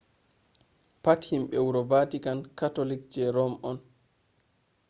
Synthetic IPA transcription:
pathimɓɛwuɾɔbatikankatolikd͡ʒɛɾɔmʔɔn

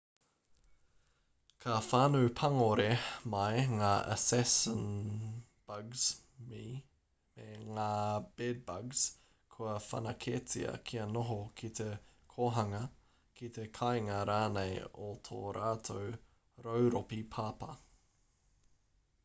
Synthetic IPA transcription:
kʰɐfaːnuːpʰɐŋoɾemɐjŋaːʔə̰sɛsən | b̥ɐɡz̥ | mi | meŋaːb̥ɛd̚bɐɡz̥ | kʰuɐfɐ̰nɐkʰet͡sḭɐ̰kʰiɐnoɦokʰit̪ʰe | kʰoːɦɐŋɐ | kit̪ʰekʰajŋɐɾaːnejot̪ʰo̰ːɾaːt̪ʰow | ɾowɾopipʰaːpɐ

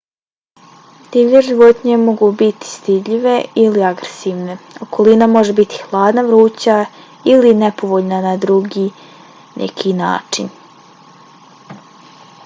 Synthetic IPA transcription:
d̪̥iːʋʎeʒiʋo̞t̪ɲe̞mo̞ɡubit̪i̥st̪id̪ʎiʋe̞iliaɡɾesiːʋne̞o̞kʰo̞linamo̞ʒe̞bit̪i̥xlˠaːd̪naʋɾuːt͡ɕa | iline̞po̞ʋo̞ʎnanad̪ɾuɡiː | nʔḛkʰina̰ːt͡ʃin

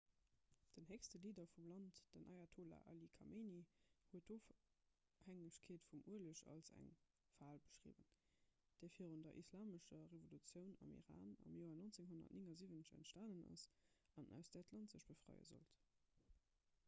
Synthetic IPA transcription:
d̥ənɦekstəliːdɐfumlɑntd̥ənʔɑɪatʰoːla̰ʔɑlikʰɑmʔenihuətoːf | hæŋəɕkʰeːtfumuələʃɑ̰lsæ̰ŋ | faːlbə̥ʃʁḭːvə̰n | d̥ɛːɐfiːʁundɐ̰ʔislaːməʃɐʁevolut͡sjəʊnɑmḭʁa̰ːnɑmjoːɐnont͡seŋɦonɐ̰tniŋɐziːvənəɕæ̰ntʃtaːnənɑ̰sɑnʔæ̰ʊsd̥ɑtʰlɑntzəʃb̥əfʁ̥ɑ̰ɪə̰zo̰lt

